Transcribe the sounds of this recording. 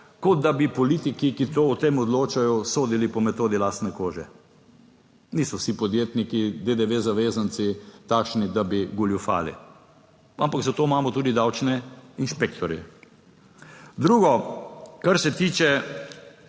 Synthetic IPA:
kɔd̪̚d̪abipɔlit̪ikikit̪oːt̪emɔd̪loːt͡ʃajɔsoːd̪ilipɔmɛt̪oːd̪ilaːst̪nɛkoːʒɛ | nisɔwsipɔd̪jeːt̪nikid̪ed̪eʋezaʋeːzant̪sit̪aːkʃnid̪abiɡuljufa̰ːlḭ | ʔampakzat̪omaːmɔt̪uːd̪id̪awt͡ʃnɛinʃpekt̪ʰɔɾjɛ̰ | d̪ɾuːɡɔkaɾsɛt̪iːt͡ʃɛ

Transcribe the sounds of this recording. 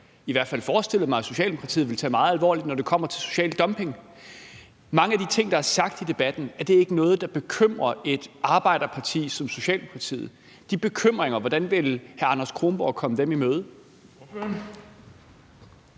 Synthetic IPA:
iʋæɐ̰d̥fæl̰fɒːsd̥e̝l̰ð̩ˠmɑ̈ɪso̝ɕɛ̰ːldeokʰɑt͡sʰḭð̩ˠʋe̝lt͡sʰɛ̰ːmɑ̈ːð̩ˠælʋɒ̰ːlid̥nɒd̥e̝kʰɒ̽m̰ɐt͡sʰe̝so̝̥ɕɛ̰ːld̥ɒ̽mpʰe̝ŋ | mɑ̈ŋəæd̥it͡sʰe̝ŋ̰d̥ɑ̈æɐsɑ̈ɡ̥̚d̥id̥e̝b̥æd̥n̩æɐd̥e̝æɐe̝ɡ̥ənɔ̽ːð̞̩ˠd̥ɑ̈b̥e̝kʰøm̰ʁɐe̝d̥ɑ̈ːb̥ɑ̈ɪ̰ɾ̥ɐpʰɑ̈t͡sʰḭːsɒ̽mso̝ɕɛ̰ːldemo̝kʰɑt͡sʰḭːð̩ˠ | d̥ib̥e̝kʰøm̰ʁeŋɐʋɒd̥ænʋe̝lhæɐɑ̈nɐskʰʁo̝ːmb̥ɒ̰ːkʰɒ̽məd̥emimøːð̞̩ˠ

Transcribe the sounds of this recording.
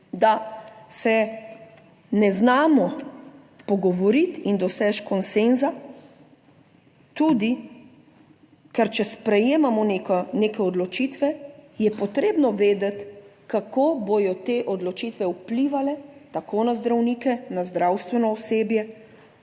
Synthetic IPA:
d̪asɛ | nɛznaːmɔ | pɔɡɔʋɔɾit̪ind̪ɔsɛt͡ʃkɔnsenza | t̪ud̪i | kɛɾt͡ʃɛspɾɛjeːmamɔneknekɛɔd̪lɔt͡ʃit̪ʋɛjɛpɔt̪ɾeːbnɔʋeːd̪ɛt̪ | kakoboj̪ɔt̪eʔɔd̪lɔt͡ʃit̪ʋɛupliʋalɛt̪akʰonazd̪ɾawnikɛnazd̪ɾawst̪ʋɛnɔːseːbjɛ

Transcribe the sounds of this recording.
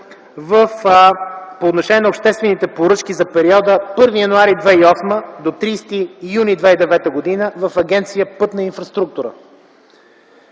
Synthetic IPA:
vəf | poːt̪noʃɛnʲɛnopʃt̪ɛst̪vɛnit̪ɛpoɾɤt͡ʃkizɐpɛɾiɔd̪əpɤɾvijɐnuaɾid̪vɛiɔsməd̪ot̪ɾiːst̪iːjunid̪vɛid̪ɛvɛt̪əɡod̪inəvəfɐɡʲɛnt̪sijəpɤt̪nɐinfɾɐst̪ɾuk̚t̪uɾə̰

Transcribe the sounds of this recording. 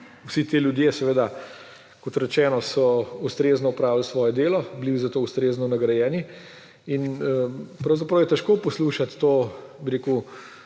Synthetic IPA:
uwsit̪eːljud̪jesɛʋeːd̪a | kɔt̪ɾɛt͡ʃɛːnɔsɔust̪ɾeːznɔupɾaːwlsʋɔːjɛd̪eːlɔblizat̪oːust̪ɾeːznɔnɐɡɾɐjɛːni | in | pɾɐwzapɾɐwjɛt̪ɛʃkoːpɔsluːʃat̪ːoːbiɾeːkuw

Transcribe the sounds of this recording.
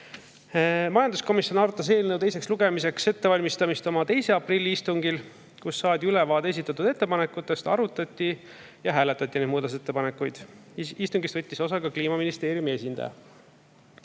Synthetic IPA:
mɑjɑnd̪usko̞misjo̞nɑrt̪ːˑɑs̬e̞ːlnəwt̪ejse̞ksluɡ̥e̞mis̬e̞kse̞t̪ːe̞vɑlʲmist̪ɑmist̪o̞mɑt̪e̞jse̞ɑprilʲːiist̪uŋɡ̥il | kusːɑːd̪ʲiylɛvɑːd̪ees̬it̪ːˑɑt̪ːud̪̥e̞t̪ːe̞pɑnekːˑut̪ːˑe̞st̪ɑ̰ɾut̪ːˑɑt̪ʲːi | jɑɦæːlet̪ːˑɑt̪ʲːˑine̞d̪muːd̪ɑset̪ːe̞pɑne̞kːˑujd̪̥ist̪uŋɡist̪vɤt̪ʲːiso̞sɑɡɑkliːmɑminist̪e̞ːɾjumie̞sʲind̪ɑ̰jɑ

